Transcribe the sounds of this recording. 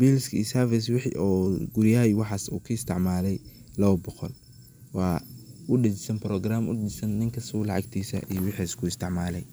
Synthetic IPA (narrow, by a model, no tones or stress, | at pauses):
bilskḭːsɐfɪswɪħʔɔːɡʊɾjaːɪwɑħɑːsṵːkʰɐɪst̪ʰɪʕmaːlɛj | lɐwɐbɔqɔl | wɑːʊɖɐt͡ʃɪsɐnprɔːɡraːmʊ̰ɖɪɪɪsɐnːɪŋkʰɐsulɑʕɑɡt̪ʰiːsɐ̰ʔḭjwɑħiːskʰʊɪst̪ʰɪʕmaːlɛj